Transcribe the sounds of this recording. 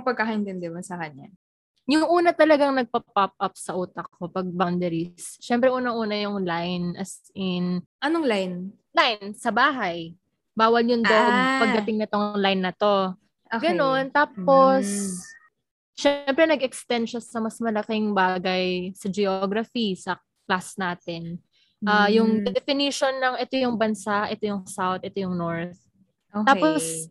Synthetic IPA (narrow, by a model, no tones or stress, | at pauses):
ŋpɐɡkakɐɪnt̪ɛnd̪ɛmɐnsɐkɐɲa | jʊŋʔuːnɐt̪ɐlɐɡaŋnɐɡ̚pɐpap̚ʔɐp̚sɐʔuːt̪ɐkʰːopɐɡ̚bawnd̪ɛɾisʃɛmpɾɛʔuːnɐŋʔuːnɐjʊŋlajnʔɐ̰s | ɪnʔɐnoŋlajn | lajnsɐbaːɦɐj | baːwɐlɲʊnd̪opɐɡd̪ɐt̪ɪŋnɐt̪oŋlajnːɐt̪o̞ | oɡɐno̞nt̪aːp̚os | ʃɛmpɾɛnɐɡɛkst̪ɛnd̪ʃɐsɐmɐsmɐlɐkɪŋbaːɡɐjsɐd͡ʒɛoɡɾɐfisɐ | klasnaːt̪ɛn | ʔaːjʊŋɛd̪ɛfɪniʃonːɐŋɛt̪o̞jʊŋbɐnsaʔɛt̪ojʊŋsawt̪̚ɛt̪ojʊŋnoɹθ | ʔoaːpos